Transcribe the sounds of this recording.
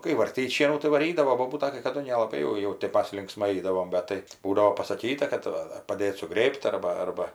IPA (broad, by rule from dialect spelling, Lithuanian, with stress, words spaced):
kɐɪ ʋɐrʲˈtʲiːtʲ ˈʃʲiɛnuː tɐɪ ʋɐˈrʲiːdɐʋoː ˈboːbuːtɐ kɐɪ kɐˈdʊ nʲɛlˠɐˈbɐɪ jɛʊ ˈjɛʊ tʲeːp ˈmɐs lʲɪŋkˈsmɐɪ ˈɐɪdɐʋoːm ˈbʲɛt tɐɪ ˈbuːdɐʋoː pɐsɐˈkʲiːtɐ kɐt ˈʋɐ ɐr pɐˈdʲeːt sʊˈɡrʲeːpʲtʲ ˈɐrbɐ ˈɐrbɐ